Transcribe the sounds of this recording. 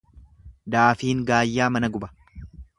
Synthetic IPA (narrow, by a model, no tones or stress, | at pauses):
d̪aːfiːŋɡaːjːaːmɐnɐɡʊbɐ̥